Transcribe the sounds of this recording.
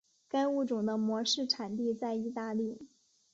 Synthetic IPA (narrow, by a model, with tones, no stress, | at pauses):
ka˥nu˥˩ʈ͡ʂʊ˨˩ŋd̪ə˦mwɔ˧˥ʂɻ̩˥˩ʈ͡ʂʰa˨˩nt̪i˥˧t͡sa˥˧ɪi˥˧t̪a˥˧li˥˩